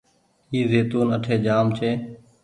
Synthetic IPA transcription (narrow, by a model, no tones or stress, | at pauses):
iːzeːt̪uːnəʈʰeːd͡ʒaːmt͡ʃʰeː